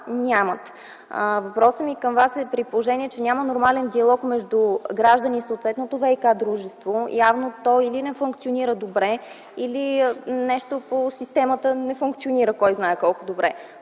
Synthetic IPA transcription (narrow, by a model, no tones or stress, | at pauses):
nʲamət̪ | əvɐpɾɔsəmikəmvasɛpɾipolˠoʒɛniɛt͡ʃɛnʲamənoɾmalɛnd̪iɐlˠɔkmɛʒd̪uɡɾaʒd̪ənisot̪vɛt̪not̪ovɛjkad̪ɾuʒɛst̪vojavnot̪ɔilinɛfuŋkt̪sioniɾəd̪obɾɛ | ilinɛʃt̪oposist̪ɛmət̪ənɛfuŋkt̪sioniɾəkɔjznaɛkɔlˠkʊd̪obɾɛ